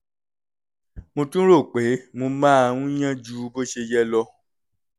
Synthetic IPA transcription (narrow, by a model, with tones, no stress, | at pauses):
mõ˧tũ˦ɾo˦˨k͡pe˨˦mõ˧mã˦ã˧ũ˦j̃ã˦d͡ʒu˧˦bo˦ʃe˧jɛ˦lɔ˧